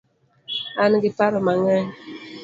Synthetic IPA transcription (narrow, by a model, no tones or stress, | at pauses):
anɡipaɾəmaŋɛɲ